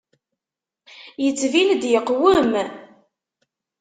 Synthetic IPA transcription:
jət͡sːvild̪jəqːwəm

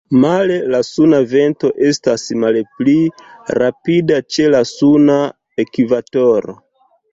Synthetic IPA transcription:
male̞lasunave̞nto̞ʔe̞stasmalpliɾapidat͡ʃe̞lasuna | ekivato̞ɾo̞̰

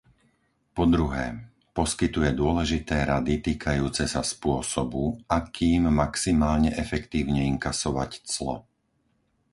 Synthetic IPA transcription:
pɔd̪ɾuɦɛː | pɔskit̪ujɛd̪ʊɔlɛʒit̪ɛːɾad̪it̪iːkʰajuːt͡sɛsaspʊɔsɔbuakʰiːmːaksimaːlɲɛʔɛfɛkt̪iːʊɲɛiŋkasɔʋa̰ct͡slɔ̰

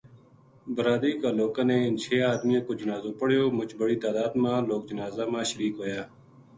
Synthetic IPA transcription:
bɾaːd̪iːkaːloːkãːneːɪnt͡ʃʰeːaːd̪mijãːkoːd͡ʒənaːzõːpəɽjoːmʊt͡ʃbəɽiːt̪aːd̪aːd̪mãːloːk̚d͡ʒənaːzaːmãːʃəɾiːkɦoːjaː

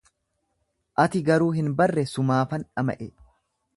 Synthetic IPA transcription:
ʔɐt̪ɪɡɐɾuːɦɪnbɐrːɛsʊmaːfɐnᶑɐmɐ̰ʔɛ

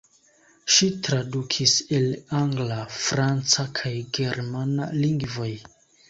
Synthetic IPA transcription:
ʃitɾadukʰiselaŋɡlafɾant͡sakʰajɡe̞ɾmanaliŋɡvo̞j

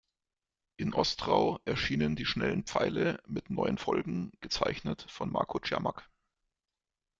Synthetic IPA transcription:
ʔɪnʔɔstʁaʊʔɛɐʃiːnəndiːʃnɛlən̩pp͡fa̰ɪləmɪtnɔʏənfɔlɡŋ̩ɡ̥ət͡saɪçnətfɔnmʔa̰ɐkʰot͡ʃɛ̰ɐma̰k

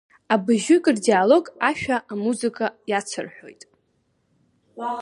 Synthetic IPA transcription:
abɨʒʏkʼɨrdialo̞ɡaʃᶣaʔamuzɨkʼajat͡sʰɨ̰rħʷᶣo̞̰jtʼ

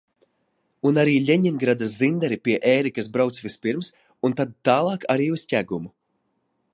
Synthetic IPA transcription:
unaɾiːʎʲɛɲinɡɾad̪azind̪ɛɾipiɛʔɛːɾikasbɾawt̪svʲispiɾms | unt̪ad̪̚t̪ːaːlˠɑːkaɾiːuscʲæɡumu

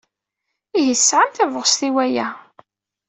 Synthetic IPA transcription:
iɦisːʕamθævʁst̪iwæjæ

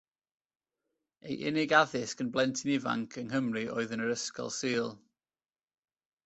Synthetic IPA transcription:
ejʔɪ̰nɪɡaðɪskənblˠɛntʰɪnɪva̰ŋkʰəŋɦəmriʔɔ̰ːɨðənəɾəskɔ̰lˠsiːlˠ

